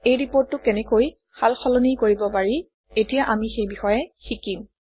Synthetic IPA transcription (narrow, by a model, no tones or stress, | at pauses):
ejɹipoɹtːʊkɛnɛkoj | xalxɔlɔnikoɹibɔpaɹi | etijaʔamixejbixɔjɛxikim